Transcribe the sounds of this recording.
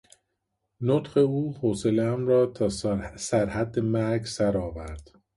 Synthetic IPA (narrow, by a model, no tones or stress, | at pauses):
not̪χe̞uːhoːse̞leæmɾɒːt̪ʰɒːsæɾhæd̪ːemæɾɡsæɾɒːvæɾd̪̥